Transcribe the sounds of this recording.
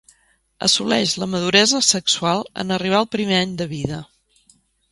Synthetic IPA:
ə̰sulɛʃləməð̞uɾɛzəsəksualˠə̰nəriβ̞aəlˠpɾimeaɲd̪əβiðə

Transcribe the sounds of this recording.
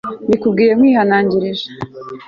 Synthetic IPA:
bikub̚ɡiːje̞mŋwiːhanaːɲɟiɾiʒḁ

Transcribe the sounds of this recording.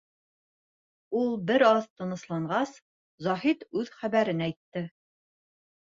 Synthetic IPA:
ulˠbɘɾɑðt̪ɤ̆nɤ̆slˠɑɴɢɑs | zɑɦit̪ʉðχæβæɾɘnæjt̪ːɘ

